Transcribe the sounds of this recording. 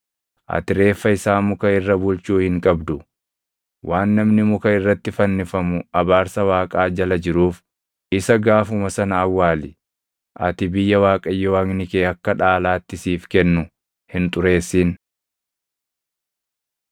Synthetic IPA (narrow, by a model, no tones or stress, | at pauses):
ʔɐ̰t̪ɪɾe̞ːfːɐɪsaːmʊkɐɪrːɐbʊlt͡ʃuːhɪŋkʼɐbd̪ʊ | wʔaːnːɐmnɪmʊkɐɪrːɐt̪ːɪfɐnːɪfɐmʊɐbaːɾsɐwaːkʼaːd͡ʒɐlɐd͡ʒɪɾuːf | ʔɪsɐɡaːfʊmɐsɐnɐːwːaːlɪ | ʔɐ̰t̪ɪbɪjːɐwaːkʼɐjːɔwaːŋnɪkeːɐkːɐᶑaːlaːt̪ːɪsiːfkɛnːʊ | hɪnt̪ʼʊɾe̞ːsːiːn